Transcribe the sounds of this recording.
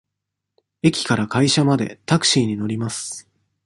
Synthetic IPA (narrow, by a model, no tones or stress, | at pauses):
e̞kʲi̥kaɾakaiɕamad̪e̞̰t̪akɯ̟̥ɕiːɲ̟ino̞ɾʲimasɨ̥